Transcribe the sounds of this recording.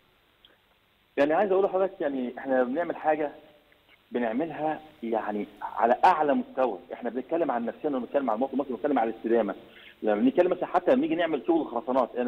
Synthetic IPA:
jaʕniʕaːjezʔæʔulħɑd̪ækjaʕniʔeħnæbeneʕmelħaːɡæ | beneʕmelɦæjaʕniʕa̰læʔaʕlæmost̪æwæ̰ʔeħnæbenet̪̚kælːemʕanːæfseːnæbet̪kælːemʕalmɑwsˤmɑsˤbenet̪kæːemʕalælest̪ed̪æːmæ | læmːæbenet̪̚kælːemʔæsænħat̪ːæmiːɡineʕmelt̪uːllexɑɾˤɑsˤɑnɑːt̪ˤʔe

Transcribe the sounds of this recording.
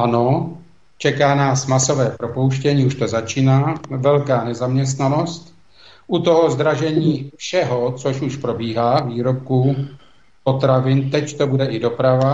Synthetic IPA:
ano̞ | t͡ʃɛkaːnaːsmaso̞vɛːpɾo̞po̞wʃcɛɲiːuʃt̪o̞zat͡ʃiːnaːvɛlkaːnɛzamɲɛs̬t̪nano̞st̪ | ʔut̪o̞ɦo̞zd̪ɾaʒɛɲiːfʃɛɦo̞t͡soʃuʃpɾo̞biːɦaːviːɾo̞p̚ku | po̞t̪ɾavɪnt̪ɛct̪o̞budɛʔɪdo̞pɾava

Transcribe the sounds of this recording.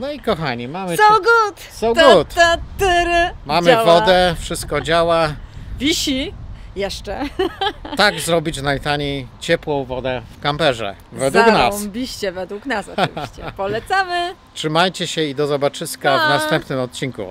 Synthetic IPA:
nɔikɔxaɲimamɘɔɡut̪ | sɔw̪ɡut̪ɛt̪ɘɾmamɘwvɔd̪ɛfʂɘst̪̚kɔd͡ʑawavʲiɕijɛʂt͡ʂɛ | t̪aɡzɾɔbʲit͡ɕnajt̪aɲejt͡ɕɛpwɔ̃w̃vɔd̪ɛfkampɛʐɛ̰ | vɛd̪wuknasbʲiɕt͡ɕɛvɛd̪wuknasɔ̰vʲiɕt͡ɕɛpɔlɛt̪samɘtʂɘmajt͡ɕɛɕɛid̪ɔzɔbat͡ʂɘskavnast̪ɛmpnɘmɔt̪̚t͡ɕiŋkṵ

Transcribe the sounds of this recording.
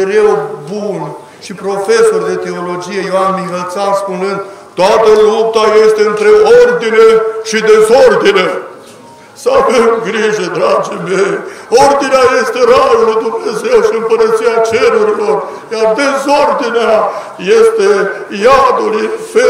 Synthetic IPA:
eɾewbun | ʃipɾo̞fe̞so̞rd̪e̞t̪e̞o̞lo̞d͡ʒije̞joanmiɦəlt̪sanspunɨnd̪t̪ːoat̪əlup̚t̪aje̞st̪e̞ɨnt̪ɾe̞ord̪ineʃid̪e̞zord̪ine | səavemɡɾiʒed̪ɾad͡ʒemejo̞rd̪ineaje̞st̪e̞ɾaɾulujd̪umne̞ze̞wʃiɨmpəɾət̪siat͡ʃe̞ɾuɾilo̞rjard̪e̞zo̞rd̪inea | je̞st̪ejad̪ulife

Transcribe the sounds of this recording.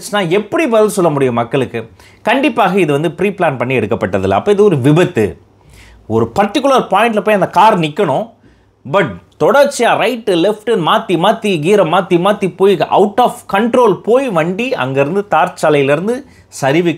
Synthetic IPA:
t͡ʃːɯnaːɛpːɐɽibɐðɐɾsɔlːɐmʊɽɪjɐmɐkːɐɭɯkːɯ | kɐɳɖɪpːaːɣɐɪðɯʋɐnd̪ɯpɪɾiːplaːnpɐɳːiɛɽɯkːɐpːɐʈːɐðɯ̰lːɐ̰ɐpːɐːɪðɯɔɾɯʋɪbɐt̪ːɯ̰ | ɔɾɯpɐrʈːɪkʲːʊlɐɾpaːjɪɳʈlɐpoːjɐnd̪ɐkaːɾnɪkːɐɳʊ̃ | bɐʈ̚t̪ɔɽɐɾt͡ʃːɪjaːɾɐɪʈːɯlɛfʈɯnmaːt̪ːimaːt̪ːiɡiːɾɐmaːt̪ːimaːt̪ːipoːjɐ̰ʊʈːaːfkɐɳʈɾoːlpoːjʋɐɳɖiɐ̰ŋɡɐɪɾɯnd̪ɯt̪aːɾt͡ʃaːlɐjɪlɪɾɯnd̪ɯ | sɐɾɪʋɪkː

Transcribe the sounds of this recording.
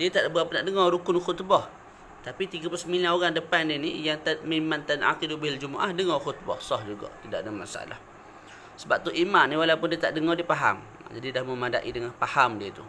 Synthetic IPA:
diət̪aʔbuapʊnaʔdəŋɔɾukʊnxʊt̪bɔh | t̪apit̪iɡaplusəmilanoɣaŋdəpandinijaŋt̪at̪̚məimant̪anʔa̰qidubald͡ʒumaʔa̰hdəŋɔxʊt̪̚bɔ̰hsɔhd͡ʒuɡɔ̰ʔt̪ida̰ʔdəŋamasa̰ʔa̰la̰h | səbap̚t̪uʔimanːiwalapʊndiət̪aʔdəŋɔdiəpaɦa̰m | d͡ʒadidahməmada̰ʔidəŋanpahamdiət̪ṵ

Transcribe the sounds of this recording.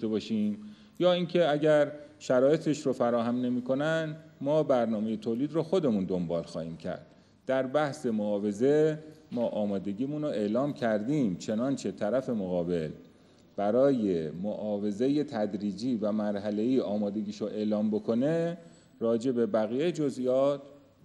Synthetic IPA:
t̪ebɒːʃiːm | jɒːincʰe̞æɟæɾʃæɾɒːje̞t̪ʰeʃɾofæɾɒːhæmne̞miːkʰo̞nænmɒːbæɾnɒːme̞je̞t̪ʰoːliːd̪roːxo̞d̪e̞mund̪o̞mbɒːlxɒːhiːmcʰæ̰ɾd̪̥ | d̪̥æɾbæhse̞moɒːve̞ze̞mɒːʔɒːmɒːd̪e̞ɡiːmunɾoʔe̞lɒːmcʰæɾd̪iːmt͡ʃʰe̞nɒːnt͡ʃʰe̞t̪ʰæɾæfe̞moɣɒːbe̞l | b̥æɾɒːjemoʔɒːve̞ze̞je̞t̪ʰæd̪ɾiːd͡ʒiːvæmæɾɦæle̞iːʔɒːmɒːd̪e̞ɡiːʃoʔe̞ʔlɒːmbo̞kʰo̞ne | ɾɒːd͡ʒe̞be̞bæɣiːjejed͡ʒozʔijɒːt̪

